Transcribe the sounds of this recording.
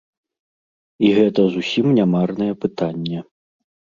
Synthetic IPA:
iɣɛt̪ɐzusʲimnʲamarnɐjɛpɨt̪anʲːɛ

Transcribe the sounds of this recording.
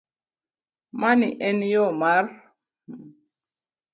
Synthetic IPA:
maniʔɛnjɔmaɾ

